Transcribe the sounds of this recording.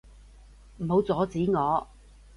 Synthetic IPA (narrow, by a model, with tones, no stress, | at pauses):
m̩˨˩ho˨˧wt͡sɔː˨˥t͡siː˨˥ŋɔː˨˧